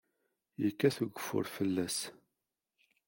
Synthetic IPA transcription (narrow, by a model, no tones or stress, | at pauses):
jəkːæθuɡəfːʊ̰ɾfəlːæs